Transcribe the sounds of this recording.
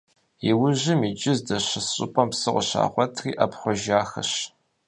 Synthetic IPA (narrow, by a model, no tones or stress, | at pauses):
iwʊʑɪmiːd͡ʒʼɪzdɐɕɐsɕʼɪ̰pʼɐmpsɨʁʷʊɕa̰ːχʷɔtʰriːʔɐpχʷʊʒaːxɐ̰ɕ